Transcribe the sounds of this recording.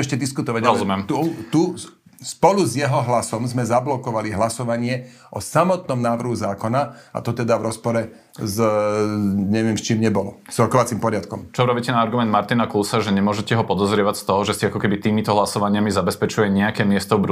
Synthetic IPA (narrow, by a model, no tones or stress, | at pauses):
ɛʃcɛd̪iskut̪ɔʋaɟaɾɔzumɛmt̪ut̪u | spɔluzjɛɦɔɦlasɔmzmɛzablɔkɔʋaliɦlasɔʋaɲɪɛ | ʔɔsamɔt̪̚nɔmnaːʋr̩ɦuzaːkɔnaa̰t̪ɔt̪ɛd̪aʋɾɔspɔɾɛ | z | ɲɛʋɪɛmst͡ʃiːmɲɛbɔlɔz̥ɾɔkɔʋat͡simpɔɾɪat̪kɔmt͡ʃɔɾɔbiːcɛnaːɾɡumɛnd̪̚maɾt̪inakulsaʒɛɲɛmʊɔʒɛcɛɦɔpɔd̪ɔzɾɪɛʋacst̪ɔɦɔʒɛsiakɔkɛbit̪iːmit̪ɔɦlasɔʋaɲɪamizabɛspɛt͡ʃujɛɲɛakɛːmɪɛst̪ɔbɾ